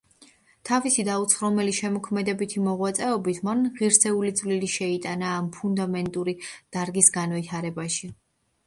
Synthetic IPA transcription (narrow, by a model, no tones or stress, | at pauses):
t̪ʰavisid̪aut̪sʰχɾɔmɛliʃɛmɔkʰmɛd̪ɛbit̪ʰimɔʁwat̪sʼɛɔbit̪ʰmanʁiɾsɛulid̪zʼvliliʃɛit̪ʼanaːmpʰund̪amɛnt̪ʼuɾid̪̥aɾɡisɡanvit̪ʰaɾɛbaʃi